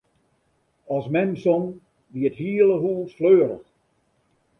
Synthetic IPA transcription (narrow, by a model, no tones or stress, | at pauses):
ɔsmɛmsɔm | ʋiəthiːəlˠəɦulˠfløːɾə̰x